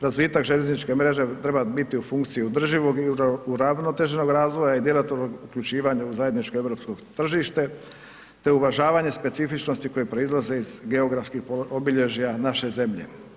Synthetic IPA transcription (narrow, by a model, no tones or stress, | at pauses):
ɾazʋit̪akʒeʎeznit͡ʃke̞mɾe̞ʒe̞t̪ɾe̞babit̪iufuŋkt̪sijiud̪r̩ʒiʋo̞ɡiuɾaʋnot̪e̞ʒeno̞ɡɾaːzʋojaid̪jelat̪oɾnoɡukʎut͡ʃiːʋaɲuuzajed̪nit͡ʃkoe̞ʋɾo̞psko̞ɡt̪r̩ʒiʃt̪e̞ | t̪e̞uʋaʒaːʋaɲe̞spe̞t̪sifit͡ʃno̞st̪iko̞jipɾo̞izlˠaze̞izɡe̞o̞ɡɾafskixpoobiʎe̞ʒijanaʃe̞ze̞mʎe̞̰